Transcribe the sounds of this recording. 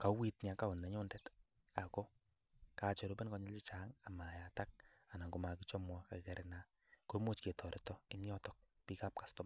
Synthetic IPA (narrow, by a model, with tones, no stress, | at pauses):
ka˨wi˦t̚ɲa˨ka˦ʊ˨nːa˨ɲo˦ndɛt | a˨ko˦ | ka˨t͡ʃɔ˨ɾu˦pe˦nkɔ˦ɲɔ˦lt͡ʃi˦t͡ʃa˨ŋa˨ma˨ja˨ta˦k̚ | a˨na˨ŋɡo˨makit͡ʃɔ˦mwɔ˦ka˨kkeɾena˨ | ko˦mu˦t͡ʃke˨tʰɔ˨ɾe˨tɔɪ˦njɔ˦tɔk̚ | pika˦p̚kḁstɔ˦m